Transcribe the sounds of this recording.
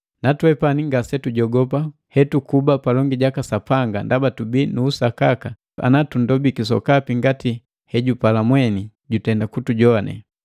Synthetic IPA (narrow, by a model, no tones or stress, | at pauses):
natwɛpaniŋɡasɛtuɟɔɡɔpa | hɛtukubapalɔŋɡiɟakasapaŋɡandabatubinuːsakaka | a̰natundɔbikis̬ɔ̰kapiŋɡati | hɛɟupalamwɛni | ɟutɛndakutuɟɔanʔɛ̰